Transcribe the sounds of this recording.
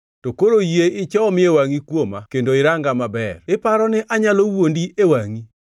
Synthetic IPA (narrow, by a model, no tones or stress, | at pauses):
tokoɾojeɪt͡ʃɔmɪewaŋikwomakendoɪɾaŋɡamabɛrɪpaɾɔnɪʔaɲalowondiewaŋi